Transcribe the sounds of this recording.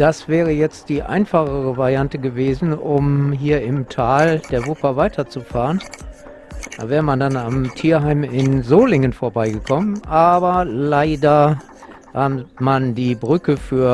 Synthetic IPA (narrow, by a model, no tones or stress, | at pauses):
d̥asv̥ɛːʁ̞əjɛt͡std̥iːʔa̰ɪnfaχəʁəvaʁjantəɡəveːzn̩ʊmɦiːɐɪmtʰaːld̥eːɐvʊpɐvaɪtʰɐt͡sufaːʁən | d̥a̰ːvɛːʁəmandanamtʰiːɐɦaɪmɪnzoːlɪŋənfoːɐbaɪɡəkʰɔmənʔaːbɐlaɪdɐ | hamandiːbʁʏkəfyːɐ